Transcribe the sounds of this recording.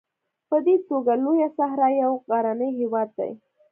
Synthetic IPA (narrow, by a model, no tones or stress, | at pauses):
pəd̪et̪oɡalojasaɦɾɑjawɣɑɾanəjɦewɑd̪̚ːa̰j